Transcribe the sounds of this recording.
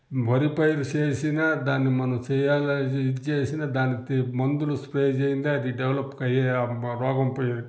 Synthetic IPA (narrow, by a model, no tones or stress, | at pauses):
bʱɐɾipɐjɾit͡ʃeːsinɐd̪aːnːimɐnɐt͡ʃɛjaːld͡ʒt͡ʃeːsinɐd̪aːnit̪imɐnd̪uluspɾeːd͡ʒeːjind̪eɐd̪iɖeʋlɐpːkɐjeɾɔːɡɐmpɐjɾi